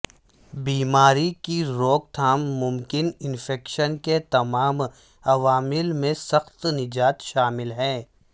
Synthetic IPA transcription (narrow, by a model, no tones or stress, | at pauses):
biːmaːɾikiɾoːk̚t̪ʰaːmːʊmkɪnɪnfɛːkʃənket̪ɐmaːm | ɐʋaːmɪlmẽsɐxt̪nɪd͡ʒaːt̪ʃaːmɪlɦɛː